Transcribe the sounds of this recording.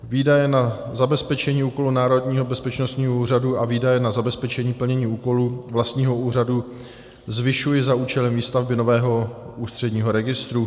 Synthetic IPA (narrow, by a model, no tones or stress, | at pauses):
viːdajɛnazabɛspɛt͡ʃɛɲiːuːko̞lunaːɾo̞dɲiːɦo̞bɛspɛt͡ʃnost̪ɲiːɦouːraduaviːdajɛnazabɛspɛt͡ʃɛɲiːpl̩ɲɛɲiːuːko̞luvlast̪ɲiːɦouːradu | zvɪʃujɪzauːt͡ʃɛlɛmviːst̪avbɪno̞vɛːɦo̞ʔuːst̪r̥ɛdɲiːɦo̞ɾɛɡɪst̪ɾu